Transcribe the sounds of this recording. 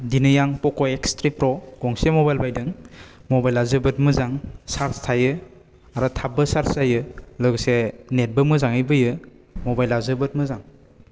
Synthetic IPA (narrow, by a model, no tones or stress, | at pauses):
dinɯjaŋpɔkɔekstɾipɾɔɡɔŋsemɔbajlbajdɯŋmɔbajlazɯbɯt̚mɯzaŋsaɾstʰajɯ | aɾɔtʰabɯsaɾszajɯlɯɡsenet̚bɯmɯzaŋɯjbɯjɯ | mɔbajlazɯbɯt̚mɯzaŋ